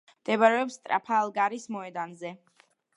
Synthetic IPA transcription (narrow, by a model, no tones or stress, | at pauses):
md̪ɛbaɾɛɔpsːt̪ʼɾa̰pʰaːlˠɡaɾismɔɛd̪anzɛ